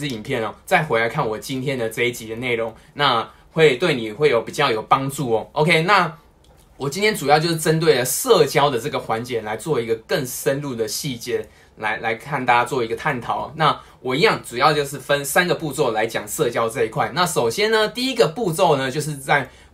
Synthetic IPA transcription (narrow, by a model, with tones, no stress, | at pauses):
i˨˩npʰjɛ˥˩nɔ˨˩t͡sa˥˩ɪxwe˧˥ɪla˧ɪkʰa˥˩nwɔ˨˩t͡ɕi˦nt̪ʰjɛ˥nd̪ə˨t͡sə˥˧i˥˩t͡ɕi˧˥d̪ə˦ne˥˩ɪɻo˧˦ŋ | na˥˧ | xwe˥˧ɪt̪we˥˩ɪni˨˩xwe˥˩ɪjo˨˧ʊpi˨˩t͡ɕjɑ˥˩ʊjo˨˩ʊpɑ˥ŋʈ͡ʂu˥˩ɔ˨˩ʔo˧˥ʊkʰe˥ɪna˥˩ | wɔ˨˩t͡ɕi˥nt̪jɛ˥nt͡su˨˩jɑ˥˧ʊt͡ɕjo˥˧ʊʂ̬ɻ̩˥˧ʈ͡ʂə˦nt̪̬we˥˩ɪlə˩sɤ˥˩t͡ɕjɑ˥ʊd̪ə˨t͡sɤ˥˩ɡə˩xwa˧˦nt͡ɕjɛ˨˦la˧˦ɪt͡swɔ˥˩i˧˥ɡə˨kə˥˩ŋʂə˦˥nlu˥˩d̪ə˩ɕi˥˩t͡ɕjɛ˥˩ | la˧˥ɪla˧ɪkʰa˥˩nt̪a˥a˥t͡swɔ˥˩i˧˥ɡə˨t̪ʰa˥˨˩nt̪ʰɑ˨˩˦ʊ˩na˥˨ | wʔɔ˨˩i˧˥jɑ˥˩ŋt͡su˨˩jɑ˥˧ʊt͡ɕjo˥˧ʊʂ̬ɻ̩˥˩fə˦nsa˥nɡə˨pu˥˧t͡swɔ˥˩ʊla˧˥ɪt͡ɕjɑ˨˩ŋsɤ˥˧t͡ɕjɑ˥ʊt͡sə˥˧i˧˥kʰwa˥˩ɪna˥˨˩ʂo˨˩ʊɕjɛ˥nnə˨t̪i˥˩i˦˥ɡə˨pu˥˧t͡so˥˩ʊnə˨t͡ɕjo˥˧ʊʂ̬ɻ̩˥˧t͡sa˥˩ɪ